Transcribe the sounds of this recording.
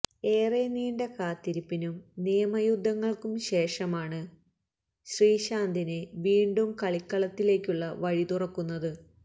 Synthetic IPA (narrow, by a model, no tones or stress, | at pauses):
eːreniːɳɖekaːt̪ːiɾipːinumnijɐmɐjud̪ʱːɐŋːɐɭkumɕe̞ːʂɐmaːɳɨ | ɕriːɕaːnd̪ʱineʋiːɳɖumkɐɭikːɐɭɐt̪ːile̞ːkʲːuɭːɐʋɐɻit̪urɐkːunːɐðɨ